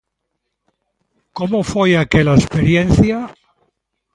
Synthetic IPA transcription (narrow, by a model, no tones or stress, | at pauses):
komofojakelaespeɾjen̟θja